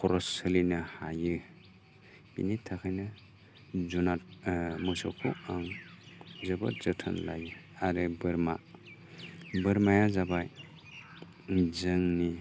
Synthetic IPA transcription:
kʰɔɾɔsɯlinɯhajɯ | b̥ḭnitʰːakʰajnɯ | zunatmɔsɔ̰kʰuaŋ | zɯba̰zɯtʰanlaj | aɾɯbɯɾma | bɯɾmajazabaj | zɯŋni

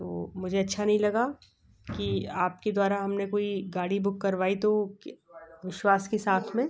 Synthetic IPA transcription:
t̪oːmʊd͡ʒʱeɐtːʃʰanɐɦĩlɐɡa | kiaːpked̪waːɾaɦɐmnekoːiɡaːɽibʊkːɐɾʋaːit̪o | ʋɪʃwaːskesaːt̪ʰmẽː

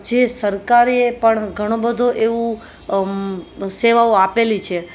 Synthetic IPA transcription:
d͡ʒesəɾkaɾepəɳɡʱəɽ̃õbəd̪ʱoʔeʋũ | seʋaoapelit͡ʃʰe

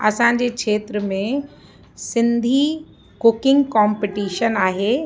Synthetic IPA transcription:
ɐsãːɲ̆d͡ʑeːkʃʰeːt̪ɾəmẽ | sɪ̃nd̪ʱi | kʊkɪ̃ŋɡkãːmpɪʈiːʃənaːɦeː

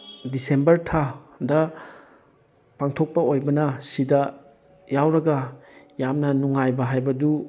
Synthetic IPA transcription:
disembɐɾtʰadɐ | paŋtʰok̚pɐojbɐnɐsidɐ | jawɾɐɡɐ | jamnɐnuŋajbɐɦajbɐdu

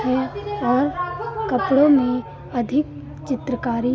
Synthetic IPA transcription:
ɦɛɔːɾkəpɽõmẽ | ɐd̪ʱɪk | t͡ʃɪt̪ɾəkaːɾi

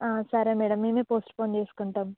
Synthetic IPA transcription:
ãsaːɾameːɽəmːimẽpoːsʈpõːnd̪iɪskɐɳʈ̪ɐm

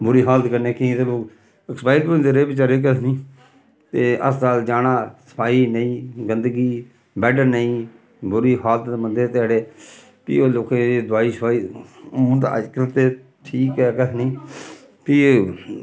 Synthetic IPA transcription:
bʊɾiːɦaːlət̪kəɾneːkiĩːt̪eloːk | ɪkspaːikːnd̪eɾeːbɪt͡ʃaːɾeːk̬əsnĩː | t̪eːʔə̰sd̪aːld͡ʒaːnãːsə̥pʰaːiːnəĩːɡənd̪ɡiː | bɛːʈəɾnəĩː | bʊɾiːɦaːlət̪ːmənd̪eːt̪eaːɽeː | pḭːoːloːkẽːed̪ʊaːiːsəpʰaːiːnd̪a̰kɾət̪eː | ʈʰiːkɛːkəsnĩː | piː

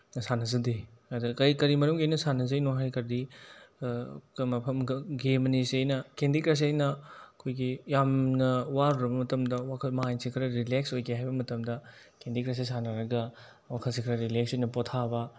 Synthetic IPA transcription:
sanɐzɐdeadɐkɐikɐɾimɐɾumɡijnɐsanɐzɐjnoɦajkɐɾdi | mɐpʰɐmɡemɐnisiejnɐkendikɾas̬ejnɐɐkʰojɡijamnɐwaɾuɾɐbɐmɐtɐmdɐwakʰɐlmɐɦajnsikʰɾɐɾileksojɡeɦajbɐmɐtɐmdɐ | kendikɾas̬esanɐɾɐɡɐ | wakʰɐlsikʰɾɐɾileksojnɐpotʰabɐ

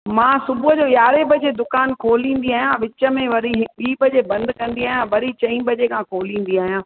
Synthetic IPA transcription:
mãːsʊbʊɦəd͡ʑoːjaːɾebʱɐd͡ʑed̪ʊkaːnkʰoːlĩːnd̪iaːɦijãʋɪt͡ɕə̆mẽʋɐɾiɦɓiːbʱɐd͡ʑebɐ̃nd̪ʱkɐ̃nd̪iaːɦjãʋɐɾit͡ɕɐ̃ĩbʱɐd͡ʑekʰãːkʰoːlĩːn̆d̪iaːɦijãː

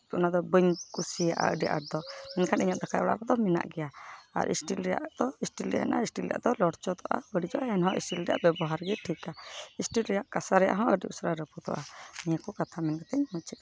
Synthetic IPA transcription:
t̪unad̪ɔbəɲkusijaʔa̰ə̰ɖiʔa̰ʈ̚d̪ɔmɛnkʰanʔiɲat̪̚d̪akajɔɽa̰ʔɾad̪ɔmɛna̰ʔɡɛjaa̰ɾʔḭsʈilɾɛja̰ʔd̪̥ɔisʈilɾɛ̰aɛ̰nʔaisʈilɾɛja̰ʔd̪ɔlɔɽt͡ʃɔt̪ɔʔa̰bəɖid͡ʒɔʔaɛnɦɔ̃ʔḭsʈilɾɛja̰ʔbɛbɔɦaɾɡɛʈʰikaisʈilɾɛjaʔkasaɾɛja̰ʔɦɔ̃ʔəɖiʔusɾaɾəput̪ɔ̰ʔanijakɔkat̪ʰamɛnɡɛt̪ɛɲhɔ̃t͡ʃʰit̪a

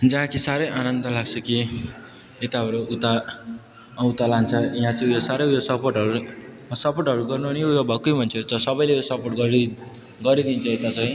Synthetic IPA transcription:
d͡zʌɦãkisaɾʌjʔanʌnd̪ʌlaɡt͡sʰʌki | et̪aʌɾuut̪a | ut̪alant͡sʰʌiɦãt͡sʌjosaɾʌjjosʌpoʈʌɾu | sʌporʈɦʌɾuɡʌrnunijojobʱʌkːojbʱʌnt͡sʰʌt͡sʌsʌbʌjlejosʌporʈ̚ɡʌɾi | ɡʌɾid̪int͡sʰʌet̪at͡sʌj̃

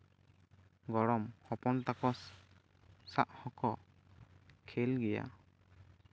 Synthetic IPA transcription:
ɡɔɽɔmhɔpɔnt̪akɔs | saʔhɔkɔ | kʰɛlɡɛja̰

